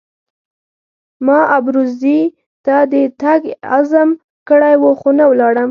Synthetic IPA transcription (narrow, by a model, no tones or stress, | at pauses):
mɑabɾuzi | t̪ad̪ət̪aɡa̰zam | kəɽajwuxonawlɑɽəm